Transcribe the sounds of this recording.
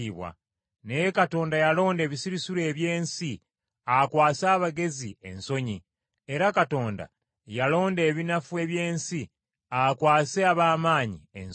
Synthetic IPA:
iβwa̰ | nejekato̞ːndajalo̞ːnde̞ːβisiɾisuɾe̞ːβje̞ːnsi | akwaːsaːβaɡe̞zie̞̰nso̞ɲi | e̞ɾakato̞ːnda̰ | jalo̞ːnde̞ːβinafue̞βje̞ːnsi | akwaːseaβaːmaːɲḭḛn

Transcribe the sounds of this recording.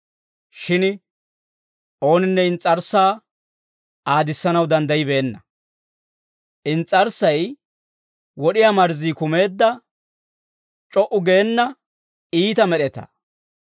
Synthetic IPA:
ʃɪn | ʔo̞ːnɪnːɛɪnt͡sʼːɐɾsaː | aːd̪ɪsːɐnɐwd̪ɐnd̪ɐjɪbe̞ːnːɐ | ʔɪnt͡sʼːɐɾsːɐj | wɔɗɪjamɐɾziːkʊme̞ːd̪ːɐ | t͡ʃʼɔʔʊɡeːnːɐ | iːt̪ɐmɛɗɛt̪ɐ̰

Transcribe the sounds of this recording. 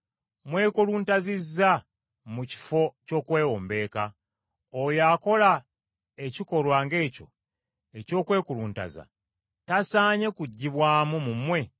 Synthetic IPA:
mwe̞ːkuluːntazizːa | muci̥fo̞co̞ːkwe̞ːwoːmbe̞ːka | ojako̞la | eciko̞lwaːŋɡe̞ːco̞̰ | e̞co̞ːkwe̞ːkuluːnta̰za̰ | tasaːɲe̞kuɟːiβwaːmumumwe̞

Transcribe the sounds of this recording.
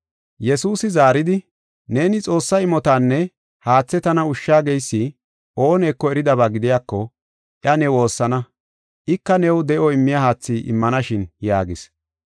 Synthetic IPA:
jɛsuːsɪzaːɾɪd̪ɪ | ne̞ːnɪt͡sʼo̞ːsːɐɪmɔt̪aːnːɛ | haːt͡sːɛt̪ɐnɐʊʃːaːɡɛjsːɪ | ʔo̞ːneːkːɔɛɾɪd̪ɐβaːɡɪd̪ɪjaːkːɔ | ʔjɐnɛwo̞ːsːɐnɐ | ʔɪkːɐnɛwd̪ɛʔɔɪmːɪjɐhaːt͡sːiːʔɪ̰mːɐnɐʃɪnjaːɡɪs

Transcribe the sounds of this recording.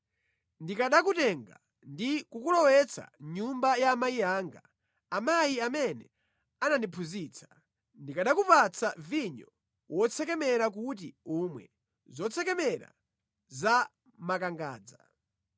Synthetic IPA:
ndikaɗakutɛŋɡa | ndikukulɔwɛt͡sʰa̰ɲumbajaːmajiaːŋɡa | amajiamɛnɛ | ananipʰuziːt͡sʰḁ | ndikaɗakupat͡sʰaviɲɔ | wɔt͡sʰɛkɛmɛɾak̬ut̬iumwɛ̰ | zɔt͡sʰɛkɛmɛɾa̰ | za | makaŋɡa̰ːd͡za

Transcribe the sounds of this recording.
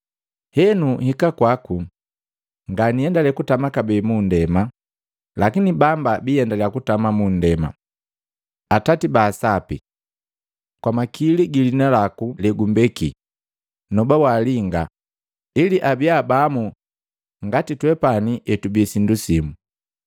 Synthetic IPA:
hɛnuhikakwaku | ŋɡanijɛndalɛkutamakabɛmundɛma | lakinibambabijɛndalɛjakutamamundɛma̰ | atatibaːsapḭ | kwamakiliɡilinalakulɛɡumbɛki | nɔbawaliŋɡa | iliʔabiabamu | ŋɡatitwɛpaniʔɛtubisindusimu

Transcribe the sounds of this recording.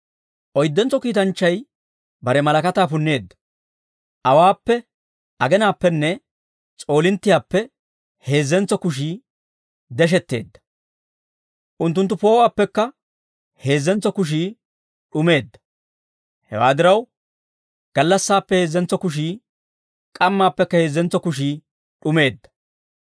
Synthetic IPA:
ʔɔjd̪ːɛnt͡sɔkiːt̪ɐnt͡ʃːɐj | bɐɾɛmɐlɐkɐt̪aːpʊnːe̞ːd̪ːɐ̥ | ʔɐwaːpːɛ | ʔɐɡɛnaːpːɛnːɛ | t͡sʼo̞ːlɪnt̪ːɪjaːpːɛ | he̞ːzːɛnt͡sːɔkʊʃ̬iː | d̪ɛʃ̬ɛt̪ːe̞̰ːd̪ːɐ̥ | ʔʊnt̪ːʊnt̪ːʊpo̞ːwaːpːɛkːɐ | he̞ːzːɛnt͡sːɔkʊʃ̬iː | ɗʊme̞ːd̪ːɐ̥ | hɛ̰wa̰ːd̪ɪɾɐw | ɡ̥ɐlːɐsːaːpːɛhe̞ːzːɛnt͡sɔkʊʃ̬iː | kʼɐmːaːpːɛkːɐhe̞ːzːɛnt͡sɔkʊʃ̬iː | ɗʊme̞ːd̪ːɐ̥

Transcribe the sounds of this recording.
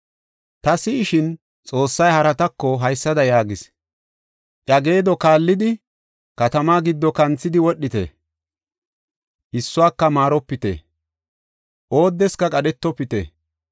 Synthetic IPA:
t̪ɐsɪːʃɪn | t͡sʼo̞ːsːɐjhɐɾɐt̪ɐkːɔɦɐjsːɐd̪ɐjaːɡɪs | ʔʼɐɡe̞ːd̪ɔkaːlːɪd̪ɪ | kɐt̪ɐmaːɡɪd̪ːɔkɐnt͡sːɪd̪ɪwɔɗːɪt̪ɛ̰ | ʔɪsːʊwaːkːɐmaːɾɔpːɪt̪ḛ | ʔo̞ːd̪ːɛskɐkʼɐɗɛt̪ːɔpːɪt̪ḛ

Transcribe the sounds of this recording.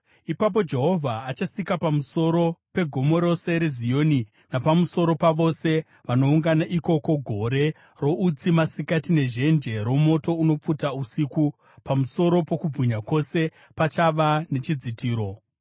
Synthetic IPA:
ipap̬o̞d͡ʒe̞ɦo̞vʱaːt͡ʃasikapamuso̞ɾo̞pe̞ɡʱo̞mo̞ɾo̞se̞ɾezijo̞ːni | napamuso̞ɾo̞paʋo̞se̞ | ʋano̞uŋɡanaʔiko̞ko̞ɡʱo̞ɾe̞ | ro̞ut͡simasikatine̞ʒe̞nd͡ʒe̞ɾo̞mo̞to̞uno̞p͡futausiku | pamuso̞ɾo̞po̞kub͡vʱiɲako̞se̞ | pat͡ʃaʋane̞t͡ʃid͡zitʰiːɾo̞

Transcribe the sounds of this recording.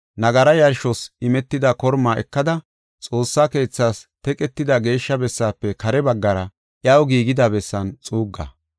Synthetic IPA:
nɐɡɐɾɐjɐɾʃɔsɪmɛt̪ːɪd̪ɐkɔɾmaːʔɛ̰kːɐd̪ɐ | t͡sʼo̞ːsːaːke̞ːt͡sːaːst̪ɛkʼɛt̪ːɪd̪ɐɡe̞ːʃːɐbɛsːaːpːɛkɐɾɛbɐɡːɐɾɐ | ʔjɐwɡiːɡɪd̪abɛsːɐnt͡sʼuːɡːɐ̰

